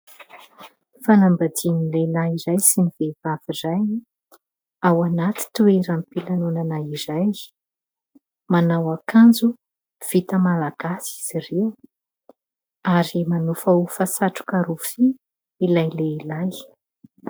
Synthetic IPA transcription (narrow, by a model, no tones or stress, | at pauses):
fanambad̪inilelaiɾajsinivevav̥izajni | awanat̪i̥t̪ueɾamipilanonanaiɾaj | manawakand͡zu | v̥it̪əmalaɡ̥asiz̥irew | aɾimanufaufasaʈ͡ʂu̥kaɾufi | ilajleilaj